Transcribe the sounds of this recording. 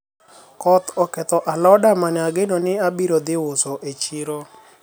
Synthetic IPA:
kɔt̪ɔkɛt̪ɔʔalɔdamanɛaɡenonɪabiɾod̪ɪwosoʔet͡ʃiɾo

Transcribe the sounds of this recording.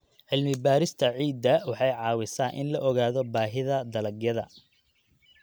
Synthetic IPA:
ʕɪlmɪbaːɾɪst̪ʰɐʕiːd̪ːɐwɑħɑjʕɑːwɪsaːnʔɪ̰nlɐʔɔɣaːðɔbaːɦɪðɐd̪ɐlɐɡjɐðɐ̰

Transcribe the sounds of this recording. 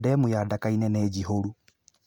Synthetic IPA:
dɛmojadakainɛnɛːd͡ʒiɦoɾu

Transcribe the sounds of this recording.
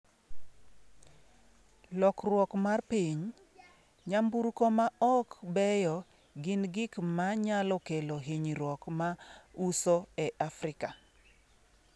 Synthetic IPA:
lɔkrwɔkmarpiɲ | ɲambuɾkomaɔkbɛjɔ | ɡɪnɡɪkmaɲalɔkeloɦiɲɾwɔkmausoɛʔafrɪka

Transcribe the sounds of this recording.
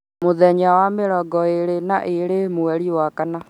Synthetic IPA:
moðɛɲawameɾɔɡɔeɾenaʔeɾemoɛɾiwakana

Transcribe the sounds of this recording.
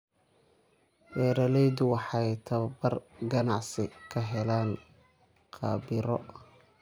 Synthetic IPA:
bɛːɾɐlɛjd̪ʊwɑħɑjt̪ʰɐβɐbɐrɡɐnɑʕsɪkʰɐɦɛlaːn | qʰɑ̰ːbɪɾɔ

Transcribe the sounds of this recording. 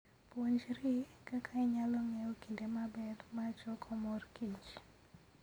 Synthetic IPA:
poɲd͡ʒɾikakʰaiɲalɔŋɛokindemabɛrmat͡ʃɔkʰɔmɔrkiɲt͡ʃ

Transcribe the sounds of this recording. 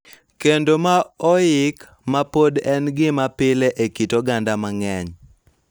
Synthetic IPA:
kendomaɔjɪk | mapodɛnɡɪmapɪleʔekitoɡandamaŋɛɲ

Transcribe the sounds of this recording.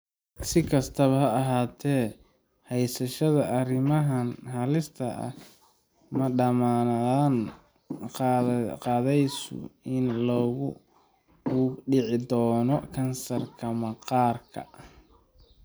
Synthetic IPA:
sɪkʰɐst̪ʰɐβɐhɐɐɦaːt̪ʰɛː | hɛjsɐʃɐðɐʔɐrɪmɐɦɐnhɐlɪst̪ʰɐ̰ʔɐ̰ | mɐɖɐmaːɐaːn | qɑːðɛjsʊ̰ɪnlɔːɣʊ | ɖɪʕɪd̪ɔːnɔkʰɐnsɐrkʰɐmɐqɑːrkʰɐ̰

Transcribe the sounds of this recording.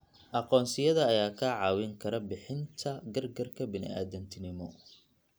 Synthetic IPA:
ʔɑqɔːnsɪjɐðɐːjaːkʰɐʕɑːwɪŋkʰɐɾɐbɪħɪnt̪ʰɐɡɐrɡɐrkʰɐbɪnɪ̰ʔa̰ːðɐnt̪ʰɪnɪmɔ

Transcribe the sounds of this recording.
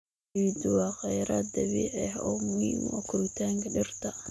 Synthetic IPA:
d̪ʊwɑːqɛjɾɐd̪ɐβḭʕɛhɔ̰ːmʊhḭːmwɔ̰kʰʊɾɪt̪ʰaːŋkʰɐɖɪrt̪ʰɐ

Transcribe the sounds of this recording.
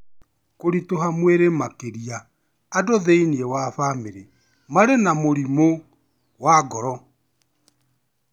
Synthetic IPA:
koɾitoɦamweɾemakeɾiaː | doðeiniewafameɾe | maɾenamoɾimo | waɡɔɾɔ

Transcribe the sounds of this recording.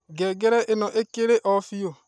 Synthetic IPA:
ɡɛɡɛɾɛʔenɔʔekeɾeʔɔfijo

